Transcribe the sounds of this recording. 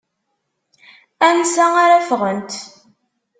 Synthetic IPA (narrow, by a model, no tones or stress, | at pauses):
ænsæaɾæfʁənt̪